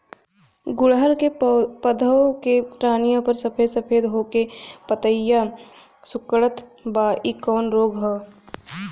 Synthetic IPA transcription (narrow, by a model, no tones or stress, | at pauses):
ɡʊɽɦəɾkepəd̪ʱəõkepɾaːnijõpɐɾsɐpʰeːd̪sɐpʰeːd̪ɦoːkepət̪əjːa | sʊkɽət̪baːʔikɔːnɾoːɡɦoː